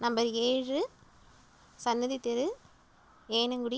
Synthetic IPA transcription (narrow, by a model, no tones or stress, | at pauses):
nɐmbɐɾeːrɯ | sɐnːɐðit̪ːɛɾɯ | eːnɯŋɡʊɽɪ